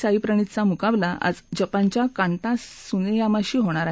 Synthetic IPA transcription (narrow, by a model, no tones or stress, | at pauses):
saipɾəɽ̃it̪t͡samukablaʔa̰d͡zd͡ʑəpãɲt͡ɕjakãɳʈ̪asunejamaɕiːɦoɽ̃aɾa